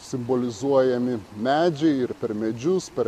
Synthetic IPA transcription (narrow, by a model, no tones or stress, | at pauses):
sʲɪmboːlʲɪzuɔjɛmʲɪmʲæːd͡ʒʲɛɪɪɾpʲɛɾmʲɛd͡ʒʲʊspʲɛɾ